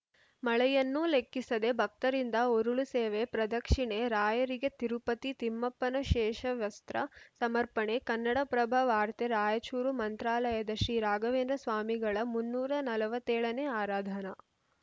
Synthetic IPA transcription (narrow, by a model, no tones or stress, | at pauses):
mɐɭɛjɐnːulekːisɐd̪e̞bʱɐk̚t̪ɐɾind̪ɐoɾuɭuseːʋepɾɐd̪ɐkʂiɳeɾaːjɐɾiɡet̪iɾupɐt̪it̪imːɐpːɐnɐʃɛːʂɐʋjɐst̪ɾɐsɐmɐɾpɐɳekɐnːɐɽɐpɾɐbʱɐʋaːɾt̪eɾaːjɐt͡ʃuːɾumɐnt̪ɾaːlɐjɐd̪ɐʃɾiːɾaːɡɐʋeːnd̪ɾɐsʋaːmiɡɐɭɐmunːuːɾɐnɐlɐʋɐt̪ːɛːɭɐneaːɾaːd̪ʱɐnɐ